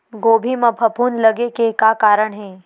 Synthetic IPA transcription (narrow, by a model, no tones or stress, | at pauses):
ɡoːbʱimɐpʰɐpuːnlɐɡekekakaːɾəɽ̃ɦɛː